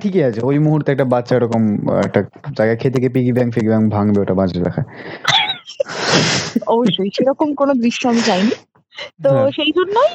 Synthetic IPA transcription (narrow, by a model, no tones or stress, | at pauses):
ʈʰikeat͡ɕʰeojmoɦuɾt̪eɛk̚ʈabatːɕʰaeɾɔkomɛ̰k̚ʈa | d͡ʑajɡakʰet̪ekepiɡibɛŋkfeɡibɛŋbʱaŋbeoʈabãd͡ʑʰʱla̰kʰa | ɔboʃːojʃeɾɔkomkonod̪ɾiʃːoamit͡ɕajni | t̪oʃejd͡ʑʱonːoj